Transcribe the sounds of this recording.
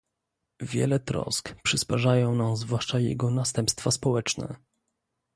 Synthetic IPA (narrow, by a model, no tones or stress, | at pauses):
vʲjɛ̰lɛt̪ɾɔ̰skpʂɨspaʐajɔ̃w̃nazvwaʂt͡ʂajɛ̰ɡɔnast̪ɛmpst̪faspɔwɛt͡ʂnɛ̰